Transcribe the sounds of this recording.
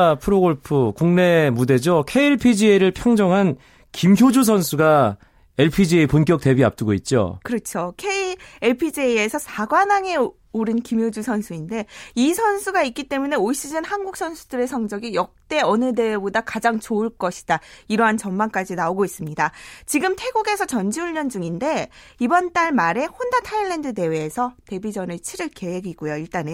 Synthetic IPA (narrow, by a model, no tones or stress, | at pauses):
pʰɯɾoɡoɭpʰɯkuŋne̞mude̞d͡ʑokʰeiɭpʰid͡ʑieɾɯɭpʰjʌŋd͡ʑʌŋɦan | kimçjod͡ʑus̬ʰʌnsʰuɡa | eɭpʰid͡ʑieponk͈jʌk̚t͈e̞bia̰p̚t͈ɯɡoit̚t͡ɕ͈o̰kɯɾʌt͡ɕʰokʰeieɭpʰid͡ʑiesʰʌsʰaɡwanaŋe̞ | uɾɯnkimɦjod͡ʑusʰʌnsʰuinde̞isʰʌnsʰuɡaik͈it͈e̞mune̞oiɕ͈id͡ʑɯnhanɡuk̚s͈ʰʌnsʰudɯɾe̞sʰʌŋd͡ʑʌɡijʌk̚t͈e̞ʌnɯde̞wbodakad͡ʑaŋt͡ɕoɯɭk͈ʌɕʰi̥d̥aiɾʌɦant͡ɕʌnmank͈ad͡ʑinaoɡois͈ɯmɲidat͡ɕiɡɯmtʰe̞ɡoɡe̞sʰʌt͡ɕʌnd͡ʑiuʎːʌnd͡ʑuŋinde̞ibʌnt͈aɭmaɾe̞hondatʰaiɭːe̞ndɯde̞we̞ːsʰʌte̞bid͡ʑʌnɯɭt͡ɕʰiɾɯɭke̞ɦe̞ɡiɡojoiɭt͈ane